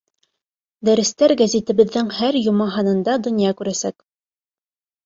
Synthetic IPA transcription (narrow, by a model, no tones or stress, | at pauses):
d̪æɾɘ̆st̪æɾɡæzit̪ɘ̆βɘ̆ðːɘŋhæɾjŏmɑɦɑnɤ̆nd̪ɑd̪ŏnjɑkʉɾæsæk